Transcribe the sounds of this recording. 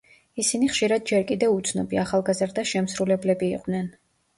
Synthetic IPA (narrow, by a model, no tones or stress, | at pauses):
isiniχʃiɾad̪̚d͡ʒɛɾkʼid̪ɛut̪sʰnɔbiaχalˠɡazɾd̪aʃɛmsɾulɛblɛbiːqʼd̪nɛn